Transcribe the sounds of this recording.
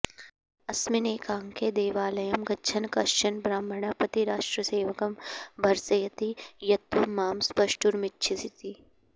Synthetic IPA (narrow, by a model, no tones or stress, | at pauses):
ɐsmineːkaːŋked̪eːʋaːlɐjɐmɡɐt͡ʃʰɐnkɐʃt͡ʃɐnbɾaːmbʱɐɳapɐt̪iɾaːʂʈɾɐseːʋɐkɐmbʱɐɾsɐjɐt̪ijɐt̪ʋɐmːaːmspɐʃʈuɾmɪtːʃʰisit̪i